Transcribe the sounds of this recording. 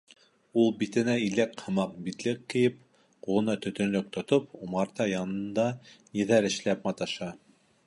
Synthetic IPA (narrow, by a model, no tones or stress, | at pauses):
ulˠbit̪ɘ̆næilækhɤ̆mɑq̚bit̪lɘkːɘ̆jɘp̚ | qulˠɤ̆nɑt̪ɵ̆t̪ɵ̆nlɵk̚t̪ŏt̪opumɑɾt̪ɑjɑnɤ̆nd̪ɑnɘ̆ðæɾɘ̆ʃlæp̚mɑt̪ɑʃɑ